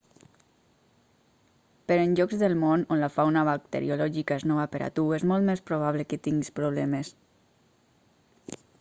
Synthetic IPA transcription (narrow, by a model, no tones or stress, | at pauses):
peɾenʲʒɔɡzðelˠmononlafawnaβak̚t̪ḛɾḭolɔʒikaeznoβapeɾʔa̰t̪uezmɔlˠt̪mespɾoβ̞aβleket̪iŋɡispɾoβ̞lɛmes